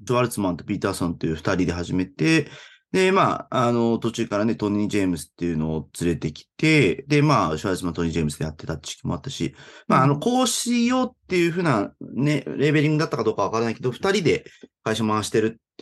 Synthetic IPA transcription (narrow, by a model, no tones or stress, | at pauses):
ɕiβaɾɯ̟t͡sɨmãnt̪opʲit̪aːsõ̞nt̪ːe̞jɯ̟ɸt̪aɾʲid̪e̞ɦaʑime̞t̪e̞ | d̪e̞ma̰ano̞t̪o̞t͡ɕɨːkaɾane̞t̪o̞ɲ̟ʲĩd͡ʑemɯ̟sɨ̥t̪ːe̞jɯ̟no̞ːt͡sɨɾe̞t̪e̞kʲi̥t̪e̞d̪e̞maːɕiβaɾɯ̟t͡ssɨmãnt̪oɲ̟ĩd͡ʑeːmɯsɨd̪ejat̪ːe̞t̪at̪ːt͡ɕi̥ɕi̥kʲimo̞̰a̰t̪ːaɕḭmaːno̞ko̞ːɕijo̞t̪ːe̞jɯ̟ɸɯ̟ːnaneɾe̞be̞ɾʲĩŋɡɯd̪at̪ːakad̪o̞ːkaβ̞akaɾanaike̞d̪o̞ɸɯ̟̥t̪aɾʲid̪e̞kaiɕamaaɕi̥t̪eɾɯ̟t̪